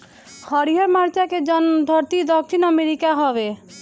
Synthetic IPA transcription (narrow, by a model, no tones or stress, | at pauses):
hɔɾiɦɔɾmaɾt͡ʃaked͡ʒɔnd̪ʱɔɾt̪id̪ɔkʃʰinɔmeɾikaɦɔbe